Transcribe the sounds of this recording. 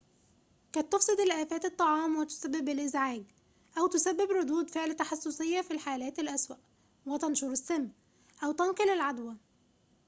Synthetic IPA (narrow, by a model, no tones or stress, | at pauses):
kæːt̪ːofsˤed̪ɪlʔæːfæːt̪et̪ˤːɑʕɑːmwɪt̪ʊ̥sæbːɪbɪlʔɪzʕaːɡ | ʔæwt̪ʊsæbːɪbɾˤod̪uːd̪feʕlt̪ɑħɑsːosejːɑfilħaːlæːt̪ɪlʔæswæʔ | wet̪ɑnʃuɾɪsːæmː | ʔæwt̪ɑnqelɪlʕad̪wæ